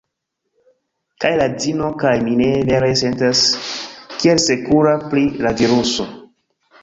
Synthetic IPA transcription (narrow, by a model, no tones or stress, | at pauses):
kajladino̞kajmine̞veɾese̞ntas | kielse̞kuɾaplilaviɾuso̞